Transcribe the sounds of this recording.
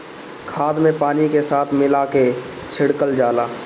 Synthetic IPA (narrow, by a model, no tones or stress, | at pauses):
kʰaːd̪mẽpaːnikesaːt̪ʰmɪlake | t͡ʃʰɪɽkəld͡ʒaːlaː